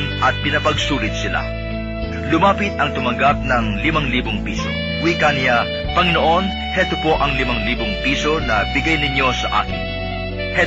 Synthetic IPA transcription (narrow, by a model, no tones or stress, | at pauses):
nʔɐt̪̚pɪnɐpɐɡsuːlɪt̪̚sɪla̰ | lʊmaːpɪt̪ɐŋt̪ʊmɐŋɡap̚nɐŋlɪmaŋliːboŋpiːso | wiːkanɪja | pɐŋɪno̞ʔo̞n | hɛt̪opo̞ʔɐŋlɪmaŋliːboŋpiːso̞nɐbɪɡajnɪɲjo̞sɐʔa̰ːkɪ̰n | hɛ